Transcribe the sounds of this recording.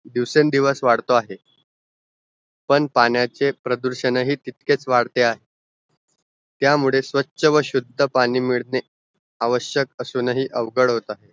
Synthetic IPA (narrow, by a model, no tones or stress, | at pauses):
d̪iʋsend̪iʋəsʋaɽt̪oaɦe | pəɳpanjat͡sepɾəd̪uɾɕənəɦiːt̪it̪ket͡sʋaɽt̪eaɦe | t̪jamuɭesʋəːɕəʋəɕud̪ʱːəpaɽ̃iːmiɭne | aʋəɕjəkəsunəɦiːʔəʋɡəɽɦot̪aɦe